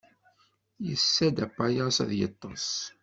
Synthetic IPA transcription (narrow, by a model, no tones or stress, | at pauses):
jəsːæd̪æpːajɑsæ̰ðjə̰t̪ˤːɑs